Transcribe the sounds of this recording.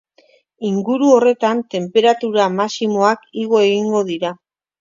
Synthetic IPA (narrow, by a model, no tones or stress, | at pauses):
iŋɡuɾuo̞re̞t̪ant̪e̞mpe̞ɾat̪uɾamasimo̞akiɣo̞e̞ɣiŋɡo̞ðiɾa